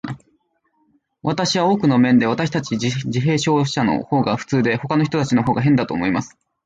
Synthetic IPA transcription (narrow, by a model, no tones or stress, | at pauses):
βat̪aɕiβao̞ːkɯ̟no̞mẽ̞nd̪e̞βat̪aɕi̥t̪at͡ɕid͡ʑiɦe̞ːɕo̞ːɕano̞̰ho̞ːɡaɸɯ̟̥t͡sɨːd̪e̞ho̞kano̞çi̥t̪o̞t̪at͡ɕino̞ɦo̞ːɡaɦẽ̞nd̪at̪o̞ːmo̞imasɨ̥